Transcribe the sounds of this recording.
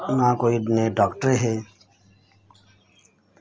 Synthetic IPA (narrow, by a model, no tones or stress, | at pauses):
nãːkoːiɖneːɖɔːkʈəɾɦeː